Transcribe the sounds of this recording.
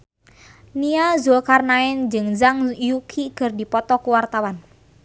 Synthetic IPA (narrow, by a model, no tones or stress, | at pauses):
niazulkarnaɪnd͡ʒɨŋzaŋjukʰikərdipɔt̪ɔkuwart̪awan